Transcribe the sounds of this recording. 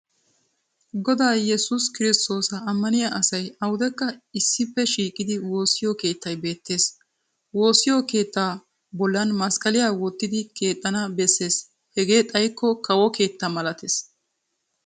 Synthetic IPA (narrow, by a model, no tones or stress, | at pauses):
ɡɔd̪aːjɛsʊskɪɾɪst̪o̞ːsɐːmːɐnɪjaʔɐsɐjɐwʊd̪ɛkːɐɪsːɪpːɛʃiːkʼɪd̪ɪwo̞ːsɪjɔke̞ːt̪ːɐjbe̞ːt̪ʰːe̞ːs | wo̞ːsːɪjɔke̞ːt̪ːaː | bɔlːɐnmɐskʼɐlɪjaːwɔt̪ːɪd̪ɪkʰe̞ːt̪ʼːɐnɐbɛsːe̞ːs | hɛɡe̞ːt̪ʼɐjkːɔkɐwɔke̞ːt̪ːɐmɐlɐt̪es